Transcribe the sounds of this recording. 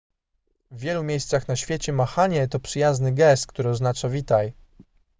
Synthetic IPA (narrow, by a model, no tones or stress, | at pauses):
vːʲjɛlumʲjejst̪saxnaɕfʲjet͡ɕɛmaxaɲɛt̪ɔpʂɘjaznɘɡɛst̪̚kt̪uɾɘɔznat͡ʂavʲit̪aj